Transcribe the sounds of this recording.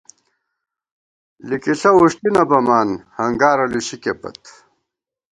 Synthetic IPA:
likiɬɐwuʂʈ̪inɐbɐmaːnhɐŋɡaːɾɐluɕikepɐ̰t̪

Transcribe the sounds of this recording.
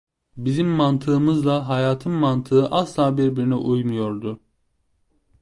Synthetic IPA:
bizimːant̪ʰɯːmɯzlˠaɦajaːt̪ʰɯmmant̪ʰɯɯʔaslˠaːbiɾbiɾinɛʔujnujo̞ɾd̪ʊ

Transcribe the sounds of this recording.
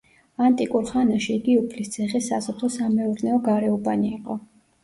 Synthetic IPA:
ant̪ʼikʼuɾχanaʃiːɡiupʰlist̪sʰɛχisasɔt̪ʰɔsamɛuɾnɛɔɡaɾɛubaniːqʼɔ

